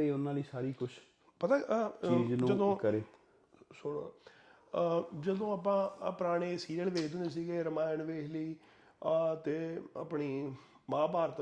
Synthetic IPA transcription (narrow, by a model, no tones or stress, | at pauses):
iːʊnãːliːsaːɾiːkʊt͡ʃʰ | pət̪aːd͡ʒnũd͡ʒəd̪õːkəɾeː | soɽ | d͡ʒəd̪õːaːpãːpɾaːɽ̃eːsiːɾəɳʋeːkʰd̪end̪eːs̬iːɡeːɾəmaːjnʋeːkʰləiː | t̪eːa̰ːpɳiː | mãːbaːɾət̪